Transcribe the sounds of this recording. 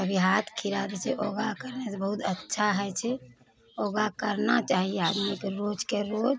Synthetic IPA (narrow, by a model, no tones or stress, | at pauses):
əbʱiɦat̪ʰkʰiɾad̪ɛt͡ʃʰɛʔoɡakəɾnebəɦut̪ʰətːʃʰaɦɛt͡ʃʰɛ | oːɡakəɾnat͡ʃaːɦiead̪mikɾod͡ʒkeɾoːd͡ʒ